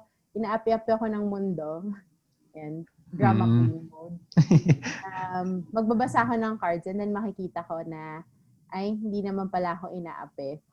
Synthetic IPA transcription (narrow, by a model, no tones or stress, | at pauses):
ʔɪnaːʔɐpɪʔɐpɪɐko̞nɐŋmʊnd̪o̞ | jan | d̪ɹamɐkonŋmod̪̚ | amːɐɡ̚babɐsako̞nɐŋkɐɹd̪sɛnd̪ɐnmɐkɪkiːt̪ɐko̞nɐ | ʔajhɪnd̪iːnɐmanpɐlaɐko̞ʔɪna̰ːʔɐ̰pɛ